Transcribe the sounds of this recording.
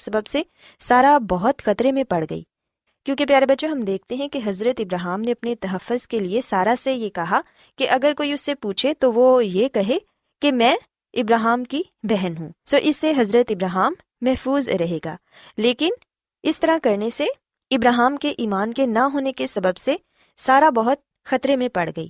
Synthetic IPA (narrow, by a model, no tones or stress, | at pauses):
sɐbəbse | saːɾabɐɦʊt̪xɐt̪ɾemẽpɐɽɡɐ̰ḭː | kjõːkepjaːɾebɐtːʃoɦɐmd̪eːk̚ʰt̪eɦɛ̃keɦɐzɾət̪ɪbɾaːɦaːmneɐpnet̪ɐɦɐfːʊzkeliesaːɾasejekɐɦa | keʔɐɡəɾkoːiʊsːepuːt͡ʃʰet̪oʋojekɐɦe | kemɛ̃ː | ɪbɾaːɦaːmki | bɛɦɛnɦũːsoːʔɪsːeɦɐzɾət̪ɪbɾaːɦaːmː | ɛɦfuːzɾɐɦeːɡa̰ː | leːkɪn | ɪst̪ɐɾakɐɾnese | ɪbɾaːɦaːmkeʔiːmaːnkenaɦoːnekesɐbəbse | saːɾabɐɦʊt̪̚ | xɐt̪ɾemẽpɐɽɡɐḭː